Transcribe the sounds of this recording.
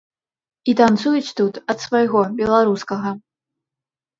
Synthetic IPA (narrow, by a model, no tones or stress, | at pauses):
it̪ant̪sujut͡sʲt̪ut̪ɐt̪svajɣɔbʲɛlˠaɾuskɐɣɐ